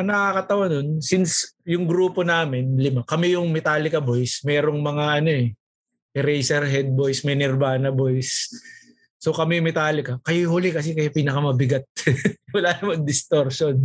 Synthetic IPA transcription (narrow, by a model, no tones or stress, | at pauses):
ɐnɐkɐkɐt̪ɐwanonsinsjʊŋɡɾuːpo̞naːmɪnlɪmakɐmɛjʊŋmɛt̪aːlɪkɐbojsmɛːɾoŋmɐŋaʔɐno̞ʔɛ | ʔɛɾɛjsɛɾɦɛd̪̚bojsmɛnɛɾbaːnɐbo̞jsː | okɐmɛjʊŋmɛt̪aːlɪkɐkɐjohʊlɪkɐs̬ɛkɐjapiːnɐkɐmɐbɪɡat̪̚wɐlaːnɐmɐŋd̪ɪst̪oɾʃon